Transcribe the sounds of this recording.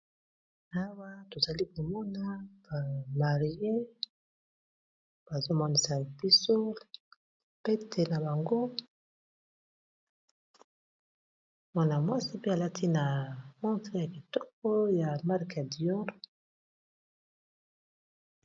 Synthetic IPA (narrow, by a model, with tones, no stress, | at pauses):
a˦wa˦to˨za˨li˦ko˨mɔ˦na˦ba˨ma˨ʁje˦ | b̥a˨zo˦mɔ˦ni˨sa˨b̥i˦so˦ | pe˦tʰe˨na˨ba˨ŋɡo˦ | mwa˦na˨mwa˦si˦pe˦a˨la˦tʰi˦na˨mɔ̃˦tʁe˦˨ja˨ki˨tɔ˦k̚ɔ˦ja˨ma˦ʁka˨di˨˦ɔ˦ʁ